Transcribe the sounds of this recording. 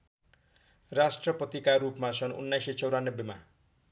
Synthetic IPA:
rasʈrʌpʌt̪ikaɾupmasʰʌnṵnːajset͡sʌwɾanːʌbjema

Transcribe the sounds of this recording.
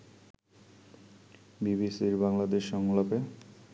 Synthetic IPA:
bibisiɾbaŋlad̪eʃːɔŋlape

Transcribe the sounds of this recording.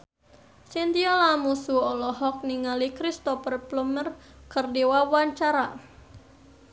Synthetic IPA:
sint̪iɔlamusuɔlɔɦɔk̚niŋalikɾist̪ɔpərplumər | kərdiwawaɲt͡ʃaɾa

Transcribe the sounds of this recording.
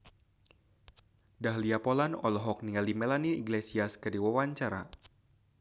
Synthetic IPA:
daɦliapɔlanɔ̰lɔɦɔk̚nialimɛlaniḭɡlesiaskɨrdiwawaɲt͡ʃaɾa

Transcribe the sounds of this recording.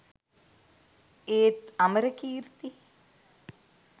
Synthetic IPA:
eːt̪ɐməɾəkiːɾt̪i

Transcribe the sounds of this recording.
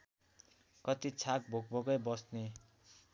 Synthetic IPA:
kʌt̪it͡sʰak̚bʱok̚bʱoɡʌjbʌsne

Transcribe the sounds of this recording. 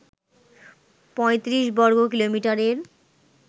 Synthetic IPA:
pɔet̪ɾiʃbɔɾɡok̬ilomiʈaɾeɾ

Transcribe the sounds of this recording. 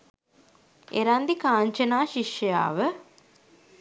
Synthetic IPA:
eɾand̪ikaːɲt͡ʃənaːʃiʃjəja̰ːʋə

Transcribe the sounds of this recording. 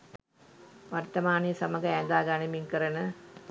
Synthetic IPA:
ʋɐɾt̪ɐmaːnijɐsɐmɐɡɐeːnd̪aːɡaːnimiŋkɐɾɐnɐ

